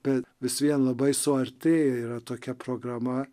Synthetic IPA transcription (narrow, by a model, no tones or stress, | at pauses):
b̥ʲɛʋʲɪsʋʲiɛnlˠɐbɐɪsoɛɾʲt̪ʲeːiiːɾɐt̪oːkʲɛpɾoɡɾɑmɐ